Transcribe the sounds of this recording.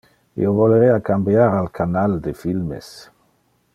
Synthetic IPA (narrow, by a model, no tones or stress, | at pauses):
ḭovoleɾeakambjaɾalkʰanald̪efilmḛs